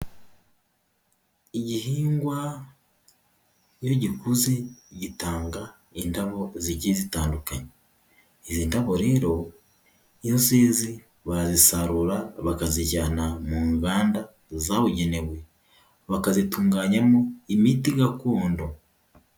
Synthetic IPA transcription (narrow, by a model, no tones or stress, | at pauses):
iɟihiːŋɡwa | jo̞ɟikuzeɟitaːŋɡa | indaβo̞ziɟizitaːndukaɲeː | ziːndaβo̞ɾe̞ːɾo̞ | jozeːzi | βazisaɾuɾaβakaziɟanamuːŋɡaːnda | zaβuɟeneβwe | βakazituːŋɡaːɲamoimitiɡakoːndo̞